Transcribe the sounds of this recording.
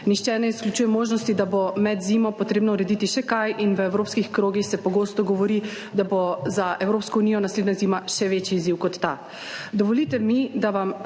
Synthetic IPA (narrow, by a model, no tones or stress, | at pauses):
nixt͡ʃɛnɛiskljut͡ʃujɛmoːʒnɔst̪id̪abomɛd̪zimɔpɔt̪ɾeːbnɔuɾɛd̪it̪iʃɛkajʔinʋəewɾoːpskixkɾoːɡixsɛpɔɡoːst̪ɔɡɔʋɔɾi | d̪abozaʔɛwɾoːpskɔunijɔnasled̪nazimaʃɛʋet͡ʃiːziwkɔt̪ːa | d̪ɔʋɔlit̪ɛmid̪aʋam